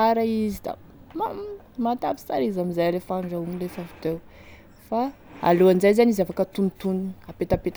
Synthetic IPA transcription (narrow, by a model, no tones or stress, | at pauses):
aɾaizid̪a̰ | mam | mat̪afi̥saɾizamizajalefaɳɖ͡ʐaumlefavut̪ew | fa | a̰luand͡ʒajzanizafakət̪unit̪ununapet̪apet̪